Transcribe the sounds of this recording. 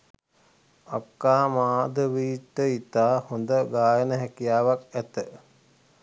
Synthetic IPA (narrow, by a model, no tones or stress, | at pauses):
akːaːmaːd̪əʋiːʈːəit̪aːhond̪əɡaːjənəɦɛkijaːʋakæt̪ə